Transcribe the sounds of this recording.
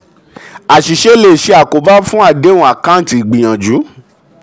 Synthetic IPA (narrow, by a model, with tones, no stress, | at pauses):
a˨ʃi˨ʃe˦le˦˨ʃe˧a˨ko˨˦ba˦fũ˦a˧˨de˨˦ũ˧˦a˨kã˦˨˦ti˨i˨ɡ͡bĩ˨j̃ã˨d͡ʒu˨˦